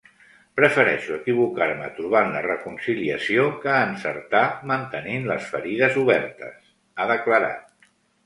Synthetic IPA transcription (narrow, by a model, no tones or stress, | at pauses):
pɾəfəɾɛ̰ʃuəkiβukaɾmət̪ɾuβ̞anlərəkunsiliəsiokəːnsə̰ɾt̪amənt̪əninləsfəɾiðəzuβɛɾt̪ə̰s | aðəkləɾa̰t̪̚